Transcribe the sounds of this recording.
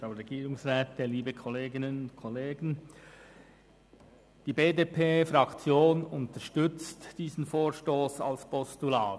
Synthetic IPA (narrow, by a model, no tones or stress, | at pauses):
fɾaʊɾɛɡiːɾʊŋsʁɛːtəliːbəkʰɔleːɡɪnənʊnkʰɔleːɡən | d̥iːbeːdeːpʰeːfɾɑkt͡sjoːnʊntəʃtʏt͡std̥iːzn̩foːɾʃtoːsɑ̰lspʰɔstulaː